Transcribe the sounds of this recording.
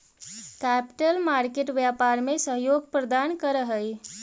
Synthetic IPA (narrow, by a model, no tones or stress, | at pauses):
kæpi̥ʈəlmaɾkeʈʋjapaɾmesəɦjoɡ̚pɾəd̪ankəɾəɦəj